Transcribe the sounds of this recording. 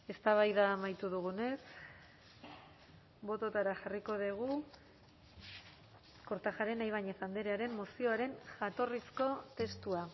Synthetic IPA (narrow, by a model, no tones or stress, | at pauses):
e̞st̪aβ̞ajðaːmajt̪uðuɣ̞une̞s | bo̞t̪o̞t̪aɾaxariko̞ð̞eɣ̞u | ko̞ɾt̪axaɾe̞najβ̞aɲesand̪eɾe̞aɾe̞mːosio̞aɾe̞nʝat̪o̞risko̞t̪e̞st̪ua